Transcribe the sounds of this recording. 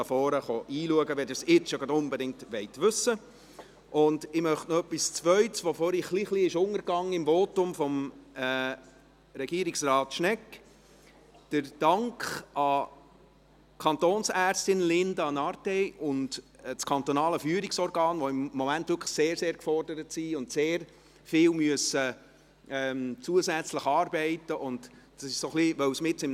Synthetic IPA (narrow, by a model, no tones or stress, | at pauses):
ɑfɔːɾəχoʔiːluəɡəʋɛdɪsɪt͡sjoɡɾɑdʊnbɛdɪŋk̚tʋɛɪtʋʏsə | ʔʊndɪmœχtnɔœpːist͡sʋœʏtsʋofoːɾiχliːχliɪʃʊŋəɾɡɑŋːɪmvoːtʊmfɔmː | ɾɛɡiːɾiksrɑːt̪ʃnɛk | d̥əɾd̥ɑŋkχɑ | kʰɑnt̪oːnsæːrstɪnlɪndɑnɑrtɛɪʔʊndt͡skʰɑnt̪ɔnɑːləfyːɾiksɔɾɡɑːnʋoɪmːɔmæntv̥ʋʏkʰə̥seːɾseːɾkfɔrdəɾətsiʊntseːɾ | fɪːwmyəsə | ɛmt͡suəzæt͡sləχɑːrbɛɪtəʔʊndd̥ɑsɪʃsoχliʋœwsmɪtɪm